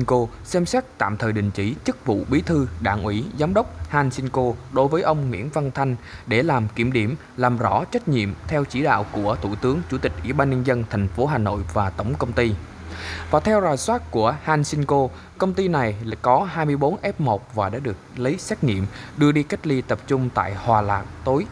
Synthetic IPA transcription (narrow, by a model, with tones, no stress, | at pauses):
ko˧ | sɛ˧msɛ˦˥k̚t̪a̰ː˧˨mt̪ʰəː˨˩jɗï˨˩ŋ̟t͡ɕi˧˩t͡ɕɨ˦˥k̚vṵ˧˨ɓi˨˦t̪ʰɨ˧ɗa̰ː˧˨ŋʔwi˧˩zaː˨˦mɗə˦˥wk͡p̚haː˧nsi˧nko˧ɗo˨˦jvəː˨˦jʔə˧wŋ͡mŋwḭ˧˥ənva˧nt̪ʰa˧jŋ̟ɗe˧˩laː˨˩mki˧˩əmɗi˧˩əm | laː˨˩mzɔ̰˧˩t͡ɕa˦˥jk̚ɲḭ˧˨əmt̪ʰɛ˧wt͡ɕḭ˧˩ɗa̰ː˧˨wku˧˩ət̪ʰu˧˩t̪ɨ˨˦əŋt͡ɕu˧˩t̪ï˨˩k̚ʔwḭ˧˩ɓaː˧nɲə˧nzə˧nt̪ʰɛ˨˩jŋ̟fo˨˦ɦaː˨˩no̰˧˨jvaː˨˩t̪ə˧˩wŋ͡mkə˧wŋ͡mt̪i˧ | vaː˨˩t̪ʰɛ˧wzaː˨˩jswaː˦˥t̚ku˧˩əhaː˧nsi˧nko˧ | kə˧wŋ͡mt̪i˧na˨˩jkɔ˨˦ɦaː˧jmɨ˧əjɓo˨˦nʔɛ˦˥p̚mo˨˩t̚vaː˨˩ɗa̰ː˧˥ɗɨ˨˩ək̚lə˨˦jsɛ˦˥k̚ŋḭ˧˨əmɗɨ˧əɗi˧ka˦˥k̟̚li˧t̪ə˨˩p̚t͡ɕʊ˧ŋ͡mt̪a̰ː˧˨jhwaː˨˩laː˨˩k̚t̪o˨˦j